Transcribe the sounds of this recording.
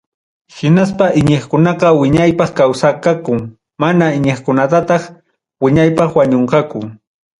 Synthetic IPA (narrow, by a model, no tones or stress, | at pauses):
hɪnaspaʔɪɲeχkʊnɑqɑwɪɲajpɑχkawsakakʊŋ | manaɪɲeχkʊnat̪at̪ɑχ | wɪɲajpɑχwaɲoɴqɑkʊ